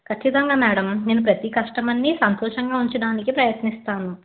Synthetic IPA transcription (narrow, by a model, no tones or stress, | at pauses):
kʰɐt͡ʃːit̪ɐŋɡaːmɛːɽɐmneːnup̬ɾɐt̪ikɐʂʈɐmɐnːisɐnt̪ɔːʂɐŋɡaːuɲt͡ʃɐɽaːnikipɾɐjɐt̪nist̪aːnu